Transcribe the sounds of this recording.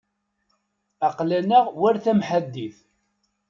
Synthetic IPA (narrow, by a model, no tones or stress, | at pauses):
ɑqlænæʁwæɾθæmħad̪ːiθ